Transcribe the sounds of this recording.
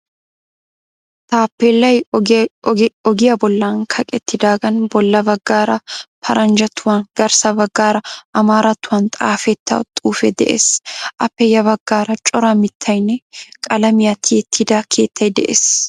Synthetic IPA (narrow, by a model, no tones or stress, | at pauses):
t̪aːpːeːlːɐj | ɔɡɪjɐbɔlːaːŋkʰɐkʼɛt̪ːɪd̪aːɡɐnbɔlːɐbɐɡːaːɾɐpʰɐɾʔɐnd͡ʒɐt̪ʰːʊwɐnɡ̥ɐɾsɐbɐɡːaːɾɐʔɐmaːɾɐt̪ːʊwɐnt̪ʼaːfɛt̪ːɐ̰t̪ʼuːfɛd̪ɛ̰ʔḛsʔɐpːɛjɐbɐɡ̥ːaːɾɐt͡ʃʼɔɾɐmɪt̪ʰːɐjnɛkʼɐlɐmɪjɐt̪ʰɪɛt̪ʰːɪd̪akʰe̞̰ːt̪ʰːɐjd̪ɛʔes